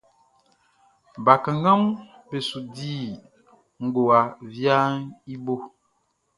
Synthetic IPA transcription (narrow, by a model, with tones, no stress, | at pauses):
ba˨ka˨ŋɡa˦m | be˨su˨diː˦˨ | ŋ̩˨ɡo˨a˨vja˦ni˦bo˦